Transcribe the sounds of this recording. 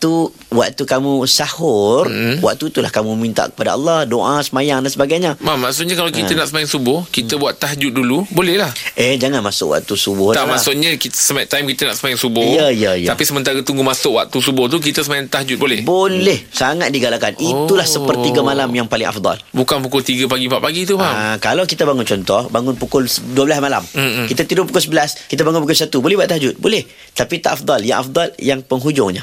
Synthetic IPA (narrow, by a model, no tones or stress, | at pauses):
t̪u | wa̰ʔ̚t̪ukamũsahʊrwa̰k̚t̪ut̪ulahkamũmint̪a̰ʔkə̥pada̰ɑ̰lˠːɑhdoʔasəmajaŋdansəbaɡajɲəmamaʔsʊʔ̚ɲakalakiənaʔsəmajaŋsubʊhkit̪əbuat̪ːaɦd͡ʒʊt̪̚dulubolɛhlahʔɛd͡ʒaŋanmasʊ̰ʔwa̰ʔt̪usubʊh̪aʔmaʔsʊkɲakit̪əsəmat̪aimkit̪əna̰ʔsəmajaŋsubʊjaijaijt̪apisəmənt̪aɾat̪uŋɡumasʊkwa̰ʔ̚t̪usubʊht̪̬uk̬it̪əsəmajaŋt̪ahd͡ʒʊt̪̚bolɛhbolɛhsaŋat̪̚diɡalakanʔit̪ulahsəpərt̪iɡamalamjaŋpalɪŋʔa̰fd̪ˤɑ̰lbukanpukʊlt̪iɡapaɡipaʔpaɡit̪upakalawkit̪abaŋʊnt͡ʃɔnt̪ɔhbaŋʊnpukʊlsduəblasmalam̩kit̪at̪idʊpukʊls̬əbəlaskit̪abaŋʊnpukʊlsat̪ubolɛhbwaʔt̪aɦd͡ʒʊt̪̚bolɛh | t̪apit̪aʔafd̪ˤɑlja̰ŋʔa̰fd̪ɑljaŋpəŋɦud͡ʒʊŋɲa